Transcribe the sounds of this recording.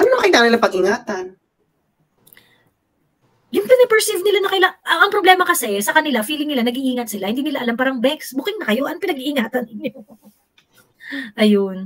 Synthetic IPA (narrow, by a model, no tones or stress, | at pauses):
ʔɐnomɐmɐkɪit̪aŋnɪlaŋpɐɡɪŋaːt̪ɐn | jʊŋpɛnɪpɛɹsɪvnɪlanɐkɐlaʔɐʔɐŋpɾoblɛːmɐkɐsɛsɐkɐnɪlafiːlɪŋnɪlanɐɡiʔiːŋɐt̪̚sɪlahɪnd̪iːnɪlaʔɐlampaːɾɐŋbɛksbukɪŋnɐkɐjo̞ʔɐnopɪnɐɡiʔɪŋaːt̪ɐnɪɲo | ʔɐjon